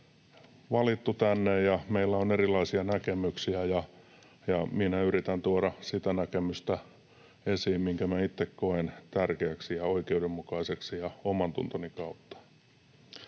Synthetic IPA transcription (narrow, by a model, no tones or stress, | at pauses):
ʋɑlit̪ːut̪ænːejjɑmeilːæonerilɑisiɑnækemyksiæjɑ | jɑminæyrit̪ænt̪uoɾɑsit̪ænækemyst̪æ | esiːmmiŋkæmæit̪ːekkoent̪ærkeæksijɑoikeudemːukɑiseksijɑomɑnt̪ṵnt̪onikɑut̪ːɑ̥